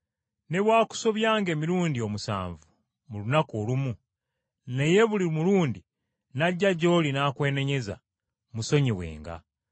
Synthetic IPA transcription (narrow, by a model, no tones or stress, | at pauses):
ne̞βwaːku̥so̞βjaːŋɡe̞ːmiɾuːndio̞musa̰ːɱvu | mulunakoːlumu | ne̞je̞βulimuluːndi | naɟːaɟːo̞ːlinaːkwe̞ːne̞ɲe̞za̰ | muso̞ɲiwe̞̰ːŋɡa̰